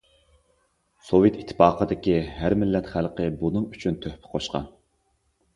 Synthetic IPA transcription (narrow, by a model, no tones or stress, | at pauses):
sovet̪it̪ʰːɪ̥pɑːqʰəd̪ɪkʲiɦæɾmɪlːɛt̪χælˠqəbunɨŋyt͡ʃʰynt̪ʰøhpʰɪ̥qʰoʃqɑ̰n